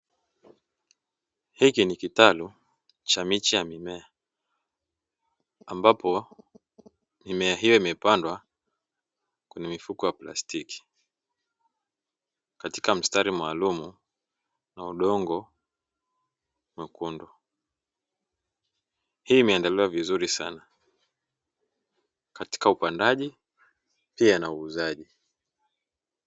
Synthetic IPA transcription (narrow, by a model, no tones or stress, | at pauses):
hikinikitalu | t͡ʃamit͡ʃijamimɛa | mbapɔ | mimɛaɦijɔimɛpandwa | kwɛɲɛmifukɔjapla̰stiki̥ | kati̥kam̩staɾimaːlumu | nauɗɔŋɡɔ | mwɛkundɔ | hiːmɛandaliwavizuɾisana | kati̥kaupandaʄi | pianauːzaʄi